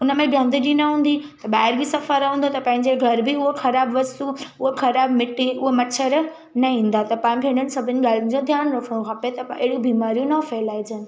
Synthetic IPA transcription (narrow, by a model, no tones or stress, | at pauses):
ʊnəmẽɡʱɐ̃nd̪ɗinɐɦũːn̆d̪it̪ɐɓaːɪɾbisɐfəɾɦũːnd̪ot̪ɐpɐ̃ɦɪ̃ɲd͡ʑeɡʱɐɾbʱiʊɦoxɐɾaːbʋɐst̪uʊɦoxɐɾaːbmɪʈːiʊɦomɐt͡ɕʰəɾ | nɐɦĩːnd̪at̪ɐpãːɪ̃bʱẽːɽ̃ənɪ̆sɐbʱɪnɪ̆ɡaːlinɪ̆d͡ʑõd̪ʱjaːnɾɐkʰɽ̃õkʰapet̪ɐpeɪɽũbʱiːmaːɾijũnɐfelaːid͡ʑɐnɪ̆